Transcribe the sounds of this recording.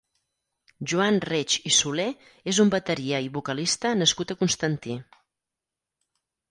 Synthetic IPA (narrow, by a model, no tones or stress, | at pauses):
ʒuanret͡ʃisule | ezumbət̪əɾieiβukəlist̪ənəskut̪əkunst̪ənt̪i